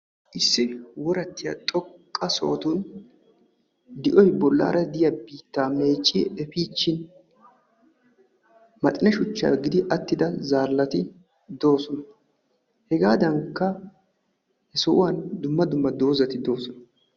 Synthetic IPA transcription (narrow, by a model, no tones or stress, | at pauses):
ʔɪsːɪwɔɾɐt̪ːɪjɐ̰t̪ʼɔkʼːɐso̰ːt̪un | d̪ɪʔɔjbɔlːa̰ːɾʔɐd̪ɪjɐbiːt̪ːaːme̞ːt͡ʃʼːiɛfiːt͡ʃːɪn | mɐt̪ʼɪnɛʃʊt͡ʃːa̰ːɡɪd̪ɪʔɐt̪ːɪd̪ɐzaːlːɐt̪ɪ | d̪o̞ːsɔnɐ | hɛɡaːd̪ɐŋkːɐ | hɛsɔʔʊwɐnd̪ʊmːɐd̪ʊmːɐd̪o̞ːzɐt̪ɪd̪o̞ːsɔnɐ